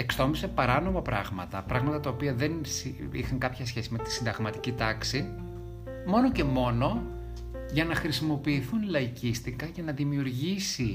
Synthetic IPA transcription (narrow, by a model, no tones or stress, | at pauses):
e̞kst̪o̞mise̞pɐɾɐno̞mɐpɾɐ̰ɣmɐt̪ɐpɾɐɣmɐt̪ɐt̪ɐopiɐðe̞nsi | ḭxɐŋkɐpçɐsçe̞sime̞t̪i̥sind̪ɐɣmɐt̪i̥cit̪ɐksi | mo̞no̞ce̞mo̞no̞ | ʝɐnɐxɾisimo̞piːθunlɐicist̪ikɐcenɐðimiuɾʝisi